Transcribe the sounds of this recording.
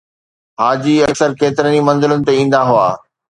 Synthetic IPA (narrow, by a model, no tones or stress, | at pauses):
ɦaːd͡ʑiɐksəɾkeːt̪ɪɾənimɐ̃nzɪlʊnɪ̆t̪eĩːn̆d̪aɦʊa̰ː